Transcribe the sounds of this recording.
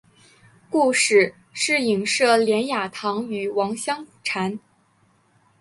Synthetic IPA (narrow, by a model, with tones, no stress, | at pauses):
ku˥˧ʂɻ̩˥˩ | ʂɻ̩˥˩i˨˩ŋʂɤ˥˩ljɛ˧˥nja˨˩t̪ʰɑ˧˥ŋy˨˩wɑ˧˥ŋɕjɑ˥ŋʈ͡ʂʰa˧˥n